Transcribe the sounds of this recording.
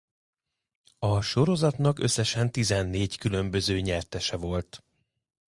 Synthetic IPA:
ɒʃo̞ɾo̞zɒt̪n̪ɒkø̞sːɛʃɛnt̪izɛnːeːckylø̞mbø̞zøːɲɛrt̪ɛʃɛvo̞lt̪

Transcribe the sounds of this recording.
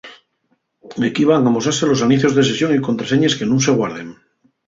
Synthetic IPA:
ekiβ̞aŋamosaɾselo̞sanĩθjo̞zðes̬esjo̞ŋikont̪ɾaseɲeskenũŋse̞ɣwaɾðeŋ

